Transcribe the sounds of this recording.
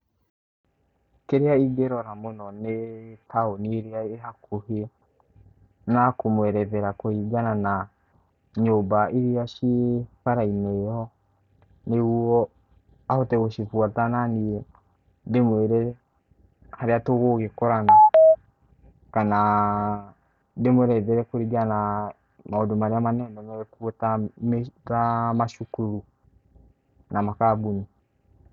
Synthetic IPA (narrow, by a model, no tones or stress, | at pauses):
keɾeaiɡɛɾɔɾamonɔnetʰaoniɾeaehakohe | nakomwɛɾɛðɛɾakoiɡanana | ɲoːbaiɾiaʃiekaɾaimɛjɔ | neɣuɔ | ahotɛɣoʃifuatananiɛ | demweɾɛ | haɾeatoɣoɣekɔɾana | kana | demwɛɾɛiðɛɾɛkoɾiɡana | maodomaɾeamanɛnɛmɛɛkuotameɣamaʃukuɾu | namakabuɲi